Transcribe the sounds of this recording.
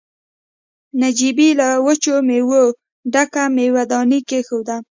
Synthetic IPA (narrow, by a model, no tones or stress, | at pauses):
nad͡ʒibilawət͡ʃomewo | ɖakamewad̪ɑnikexowd̪a